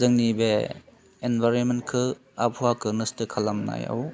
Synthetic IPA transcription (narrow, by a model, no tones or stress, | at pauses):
zɯŋnibe | enbaɾɔnmen̚kʰɯ | ap̚ʰuakʰɯnɯstɯkʰalamna̰ja̰w